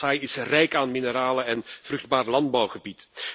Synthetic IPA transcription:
aːjɪsrɛjkaːnmɪnəɾaːləɛnv̥rʏɣd̚baːrlɑndbɑwɣəbit

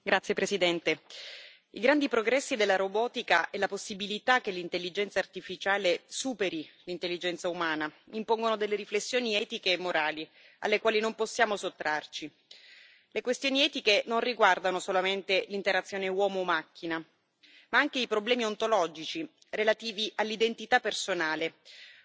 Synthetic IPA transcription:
ɡɾat̪sjepɾesid̪ɛnt̪e | ḭɡɾand̪ipɾoɡɾɛsːid̪elːaɾobɔːt̪ikaʔɛlaposːibilit̪ak̟ːelːint̪elːid͡ʒɛnt̪saːrt̪ifit͡ʃaːlesuːpeɾilint̪elːid͡ʒɛnt̪saumaːnaimpoŋɡonod̪elːeɾiflesːjoːniɛːt̪ikeːmːoɾʔaːli | a̰lːekwaːlinomposːjaːmosot̪ːɾart͡ʃi | lekwest̪joːniɛːt̪ikenonriɡward̪anosolament̪elint̪eɾat̪sjoːnewɔːmoːmːak̟ːina | maaŋk̟eipɾoblɛːmiont̪olɔd͡ʒit͡ʃi | relat̪iːviʔalːid̪ent̪it̪apːersonaːle

